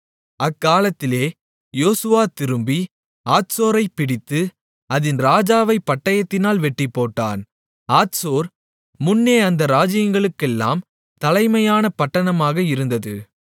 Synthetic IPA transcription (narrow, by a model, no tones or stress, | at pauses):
ɐkːaːlɐt̪ːɪleː | joːsɯʋaːt̪ɪɾɯmbi | aːʈsoːɾɐɪpɪɽɪt̪ːɯ | ɐðɪnɾaːd͡ʒaːʋɐɪpːɐʈːɐjɐt̪ːɪnaːlʋɛʈːipːoːʈːa̰ːn | aːtsoːɾ | mʊnːeːɐnd̪ɐɾaːd͡ʒɪjɐŋɡɐɭɯkːɛlːa̰ːm | t̪ɐlɐɪmɐjaːnɐpɐʈːɐɳɐmaːɣɐɪɾɯnd̪ɐðɯ̰